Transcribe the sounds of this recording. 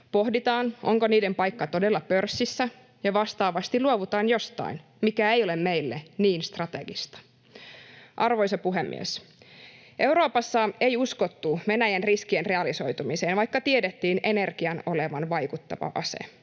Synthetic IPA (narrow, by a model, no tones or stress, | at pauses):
po̞ɦdit̪ɑːnʔo̞̰ŋkoniːdempɑjkːɑt̪o̞delːɑpø̞rsːisːæ | jɑʋɑst̪ɑːʋɑst̪iluoʋut̪ɑːnjo̞st̪ɑ̰in | mikæejo̞le̞mme̞ijlːeniːnst̪rɑt̪e̞̰ɡist̪ɑ̥ | ʔɑrʋojsɑpuɦemːḭḛs | ʔe̞wɾo̞ːpɑsːɑe̞jusko̞t̪ːuʋe̞næjænriskienre̞ɑliso̞jt̪umiseːnʋɑjkːɑt̪iedet̪ːiːne̞ne̞rkiɑno̞leʋɑnʋɑjkut̪ːɑ̰ʋɑ̰ʔɑ̰sḛ